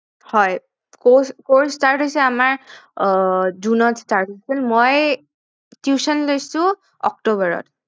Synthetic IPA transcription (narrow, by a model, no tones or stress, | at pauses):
hɔj | koskoɹstaɹtɦojsɛamaɹ | zunɔtstaɹtɦosilmoj | tjusɔnlojsʊ̃ | ɔ̰k̚tobɔɹɔ̰t